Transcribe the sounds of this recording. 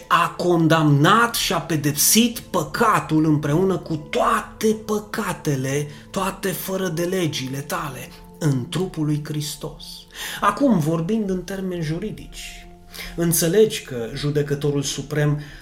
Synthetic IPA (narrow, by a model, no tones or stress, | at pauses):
ako̞nd̪amnat̪ʃiape̞d̪e̞psit̪pəkʰat̪ulɨmpɾe̞unəkut̪oat̪e̞pəkat̪e̞le̞t̪oat̪e̞fəɾəd̪e̞le̞d͡ʒile̞t̪ale̞ | ɨnt̪ɾupulujkɾist̪o̞s | akumvo̞rbind̪ɨnt̪e̞rme̞nʲʒuɾid̪it͡ʃʲ | ɨnt̪se̞le̞d͡ʒʲkəʒud̪e̞kət̪o̞ɾulsupɾe̞m